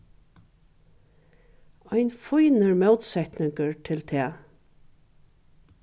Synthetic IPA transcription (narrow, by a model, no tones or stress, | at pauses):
aɪnfujnəɹmɛwt̪sɛht̪nɪŋkəɹt̪ʰɪlt̪ʰɛː